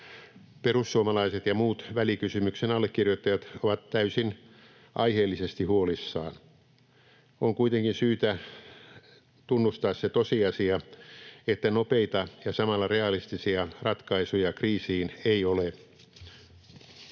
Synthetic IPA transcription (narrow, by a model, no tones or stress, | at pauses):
perusːuomɑlɑiset̪jɑmuːt̪ʋælikysymyksenɑlːekkirjot̪ːɑjɑt̪oʋɑt̪tæysin | ʔɑiheːlːisest̪ihuolisːɑ̰ːn | oŋkuit̪eŋkinsyːt̪æ | t̪unːust̪ɑːsset̪osiɑsiɑ | et̪ːænopeit̪ɑjɑsɑmɑlːɑreɑlist̪isiɑrɑt̪kɑisujɑkriːsiːneiole